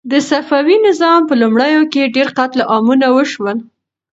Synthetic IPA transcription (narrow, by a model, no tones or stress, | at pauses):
d̪əsafawinɪzɑmpəlumɽəjokeɖeɾqat̪laʔɑmunawəʃwəl